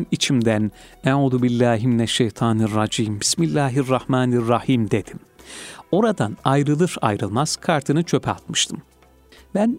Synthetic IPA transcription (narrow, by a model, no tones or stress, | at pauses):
nit͡ʃʰimd̪æneʕuːðubilʲːaːɦiminɛʃːejt̪ʰɑːnirːɑd͡ʒiːmbismilʲːæːɦirːɑhmaːnirːɑhiːmd̪e̞d̪̥im | o̞ɾad̪anajɾɯlˠɯɾa̰jɾɯlˠmaz̥kʰaɾt̪ʰɯnɯt͡ʃʰø̞pʰa̰t̪mɯʃt̪ʰɯm | bæn